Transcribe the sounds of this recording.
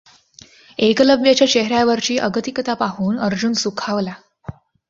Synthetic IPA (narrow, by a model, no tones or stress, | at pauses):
ekləbjat͡ɕjat͡ɕeɦɾjaʋəɾt͡ɕiːʔəɡət̪ikət̪apaɦuːnəɾd͡ʑunsukʰaʋla